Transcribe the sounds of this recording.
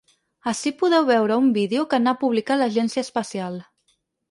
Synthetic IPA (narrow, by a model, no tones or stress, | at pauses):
əsipuðɛwβɛwɾəumbiðeukənapuβlikaləʒɛnsiəspəsialˠ